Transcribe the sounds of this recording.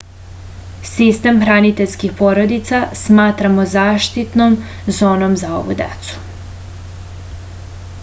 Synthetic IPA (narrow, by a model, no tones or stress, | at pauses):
sist̪e̞mxɾanit̪e̞ʎʲskixpo̞ɾo̞d̪it̪sasmaːt̪ɾamozaːʃt̪it̪nom | zo̞ːno̞mzao̞̰ʋṵd̪ḛt̪su̥